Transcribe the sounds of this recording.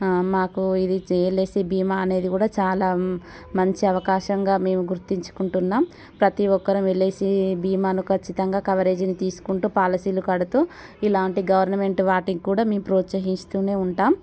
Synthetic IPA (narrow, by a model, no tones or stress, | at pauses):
maːkuid̪ieːle̞ːsibiːmaːɐne̞ːd̪ikuːɽaːt͡ʃaːlaː | mɐɲt͡ʃiɐʋɐkaːʃɐŋɡaːme̞ːmuɡuɾt̪iɲt͡ʃu̥kuɳʈunːaːm | pɾɐt̪iʋɔkːɐɾɐmeɭe̞ːsibiːmaːnukʰɐt͡ʃːit̪ɐŋɡaːkɐʋɐɾe̞ːd͡ʒinit̪iːsu̥kuɳʈuːpaːlɐsiːlukɐɽɐt̪uː | ilaːɳʈiɡɐʋɐɾnɐme̞ɳʈʋaːʈiŋkːuːɽaːme̞ːmpɾoːt̪sɐɦinst̪uːne̞ːuɳʈaːm